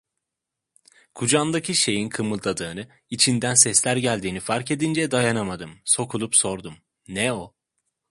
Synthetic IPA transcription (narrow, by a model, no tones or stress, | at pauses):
kʰud͡ʒand̪acʰiʃe̞jinkʰɯmɯlˠd̪ˠad̪ɯːnɯ | it͡ʃʰind̪ænsɛslʲæɾɟælʲd̪iːnifaɾce̞d̪ind͡ʒɛd̪ajanamad̪ɯmso̞kʰulˠupso̞ɾd̪um | nɛo